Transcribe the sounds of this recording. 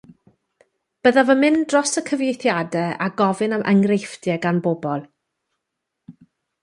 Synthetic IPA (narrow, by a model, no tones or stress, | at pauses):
b̥əðavəmɪndrɔsəkʰəvjejθjadɛa̰ɡɔvɨnamʔə̰ŋrejfdjɛɡanbobɔlˠ